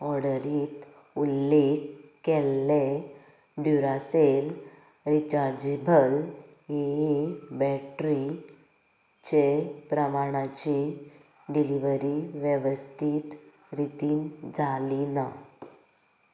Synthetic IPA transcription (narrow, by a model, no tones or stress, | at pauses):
ɔɽəɾiːt̪ | ulːekkelːe | ɖjuɾasel | ɾit͡ɕaɾd͡ʑebəl | jeɦibɛʈɾi | t͡ɕepɾəmaɽ̃at͡ɕi | ɖiliʋəɾiʋjeʋəst̪ʰiːt̪ | ɾit̪iːnd͡zʱalina